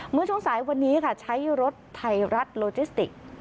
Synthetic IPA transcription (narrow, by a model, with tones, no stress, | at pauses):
mɯ˥˩ət͡ɕʰu˥˩ŋsaː˩˦jwa˧nːiː˦˥kʰa˥˩t͡ɕʰa˦˥jɾo˦˥t̪ʰːa˧jɾa˦˥t̪̚loː˧t͡ɕiː˦˥st̪ḭ˨˩k̚